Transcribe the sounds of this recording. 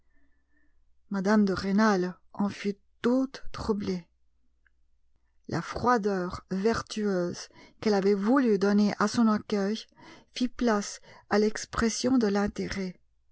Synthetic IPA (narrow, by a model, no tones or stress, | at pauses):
mad̪amd̪əʁenal | ɑ̃fy | t̪ut̪ːχuble | lʔa̰fχwad̪œːʁvɛʁt̪yøzkɛlavɛvulyd̪ɔneʔasɔ̃nakʲœjfiplasalɛkspχɛsjɔ̃d̪əlɛ̃t̪eʁɛ